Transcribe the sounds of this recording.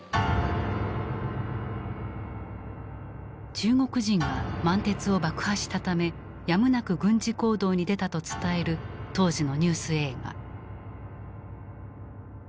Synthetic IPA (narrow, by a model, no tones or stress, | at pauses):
t͡ɕɨːŋo̞kɯ̟ʑĩŋɡamãnt̪e̞t͡sɨo̞bakɯ̟̥haɕi̥t̪at̪ame̞ | jamɯ̟nakɯ̟ɡɯ̟̃ɲ̟d͡ʑiko̞ːd̪o̞ːɲ̟id̪e̞t̪at̪o̞t͡sɨ̥t̪ae̞ɾɯ̟t̪o̞ːʑino̞ɲ̟ɨːsɨe̞ːɡa̰